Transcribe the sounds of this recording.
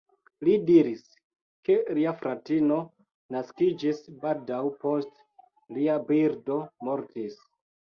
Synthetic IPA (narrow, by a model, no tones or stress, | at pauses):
lidiɾis | ke̞liafɾatino̞ | naskid͡ʒisbaldawpo̞st | liabiɾdo̞mo̞ɾtis